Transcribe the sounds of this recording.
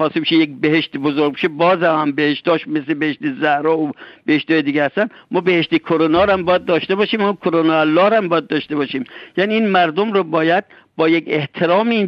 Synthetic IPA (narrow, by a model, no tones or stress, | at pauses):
ɒːsimʃejekbeheʃt̪bozoɾɡbeʃebɒːzæmhæmbeheʃt̪d̪ɒːʃmeslebeeʃt̪ezæhɾɒːob̥eheʃt̪ɒːjed̪iːɡʲehæst̪ænmɒːbeheʃt̪ekʰoɾonɒːɾæmbɒːjæd̪̚ːɒːʃt̪ebɒːʃiːmæmukʰoɾonɑælːɒːɾæmbɒːjæd̪̚ːɒːʃt̪ebɒːʃiːmjæːniiːnmæɾd̪omɾoːbɒːjæd̪̚ | bɒːjekeht̪ʰeɾɒːmin